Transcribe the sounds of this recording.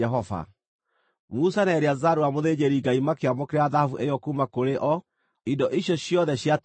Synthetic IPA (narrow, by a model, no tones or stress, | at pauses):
ɛɦɔva̰ | musanɛɾeazaɾuamoðed͡ʑeɾiɡaimakeamɔkeɾeaðahavuʔejɔkumakoɾeʔɔ | idɔʔiɕjɔɕjɔðɛɕjat